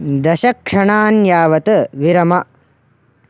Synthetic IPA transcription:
d̪ɐʃɐkʂɐɳaːnjaːʋɐt̪ɨʋiɾɐmɐ

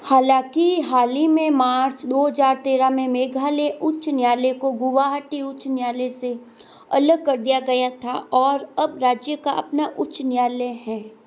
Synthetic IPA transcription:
haːlãːkiɦaːlimẽmaːɾt͡ʃd̪oːɦəzaːɾt̪eːɾamẽmeːɡʱaːleʔʊt͡ʃnjaːlekoɡʊʋaːɦəʈiʊt͡ʃnjaːlese | ɐləɡ̚kɐɾd̪ijaɡɐjat̪ʰaʔɔːɾɐbɾaːd͡ʒjəkaɐ̰pnaʔʊt͡ʃnjaːleɦɛ̃ː

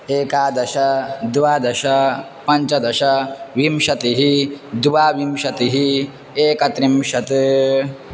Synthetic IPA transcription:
eːkaːd̪ɐʃɐd̪ʋaːd̪ɐʃɐ | pɐɲt͡ʃɐd̪ɐʃɐʋimʃɐt̪iɦid̪uʋaːʋimʃɐt̪iɦi | eːkɐt̪ɾimʃɐt̪

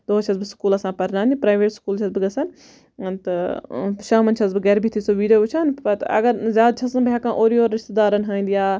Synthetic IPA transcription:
d̪̥oːt͡ʃʰɐzbɨskuːlɐsãːpɐɾnãːnd̪ipɾaːjʋeːʈskuːlt͡ʃʰɐzbɨɡɐsɐn | t̪ɐʃaːmɐnt͡ʃʰɐzbɨɡɛɾbʱit̪ʰisoːʋiːɖijoːt͡ʃʰaːnpɐt̪ɐ̰ɡɐɾzʲjaːd̪̚t͡ʃʰɐsɐnbjaːkãːʔoːɾiːoːɾɪʃt̪ed̪aːɾɐnɦãːnd̪ijaː

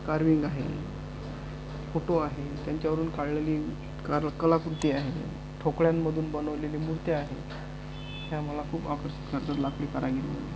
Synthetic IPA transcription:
kaɾʋiŋɡaɦḛ | foʈoaɦet̪jaɲt͡ɕjaʋəɾuːnkaɽleliː | kaɾkəlakɾut̪iːaɦḛ | ʈʰokɭjamːəd̪ʱuːnbənəʋleliːmuɽt̪eaɦe | ɦjaməlakʰuːpakəɾɕi̥t̪kəɾd͡zəɾlakɭiːkəɾaɡelḭmə̰ne

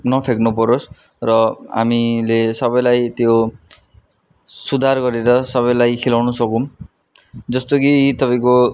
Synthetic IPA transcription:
nɔpʰeɡnupɔɾos | ɾʌa̰milesɔbɔjlajt̪eo | sud̪ʱaɾkɔɾiɾɔsɔbɔjlajkʰilawnusɔkum | d͡ʒɔst̪okiːt̪ɔpajko

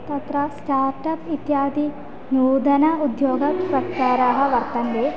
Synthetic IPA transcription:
t̪ɐt̪ɾɐsʈaːɾʈɐpit̪jaːd̪i | nuːd̪ɐnɐud̪joːɡɐpɾɐt̪t͡ʃaːɾaːɦɐ̆ʋɐɾt̪ɐnd̪eː

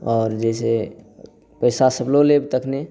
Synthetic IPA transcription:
ɔːɾd͡ʒəse | pəjsasəblolebt̪əkʰne

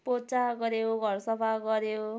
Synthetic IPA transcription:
pot͡saɡʌɾeoɡʱʌɾsʌbʰʱaɡʌɾeo

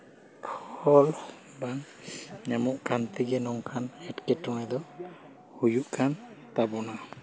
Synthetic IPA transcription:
kʰɔl | baŋ | ɲamuʔkʰant̪iɡɛnɔŋkʰanɛtkɛtɔŋɛd̪ɔ | hujuʔkʰant̪abɔna

